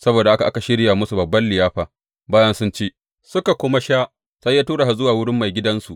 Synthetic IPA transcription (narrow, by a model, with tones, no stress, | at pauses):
sɐ˦boː˨da˨ʔa˦ka˨ʔa˦ka˨ʃɪ˦ɽjaː˨mʊ˦su˨bɐ˨bːɐ˦nlɪ˨jaː˦ɸaː˨ | baː˦jɐ˦nsʊ˦nt͡ʃeː˦ʔ | sʊ˦ka˨kʷʊ˦ma˦ʃaː˦ | sa˦jːaː˦tuː˦ɽa˨ɦa˨zʊ˦waː˨wʊ˦ɽɪ˦mːa˨jɡʲɪ˦dɐ˦nsu˨ʔ